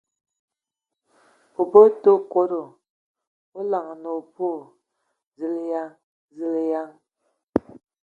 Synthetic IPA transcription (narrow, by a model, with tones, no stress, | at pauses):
po˨po˦to˦˨ko˦ɾo˨ | o˦la˨ŋ˨no˨po˦˨ | zi˨le˦ja˦ŋ | zi˦le˦ja˦ŋ